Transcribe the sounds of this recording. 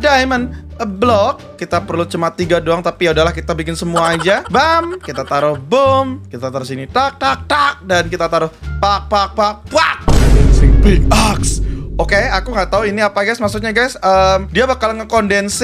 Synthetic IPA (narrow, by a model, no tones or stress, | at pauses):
daimənəblɔkːit̪apərlut͡ʃumat̪iɡadoaŋt̪apiaudalahkit̪abikɪnsəmuaːd͡ʒabamkit̪at̪aɾʊhbomkit̪at̪aɾʊsinit̪ak̚t̪ak̚t̪ak̚dankit̪at̪aɾʊhpak̚pak̚ak̚pwak̚sɪŋpɪk̚aksokeakuŋɡaʔt̪auiniapaɡajsmas̬ut̪̚ɲaɡajsəmdiabəkalŋəkondɛns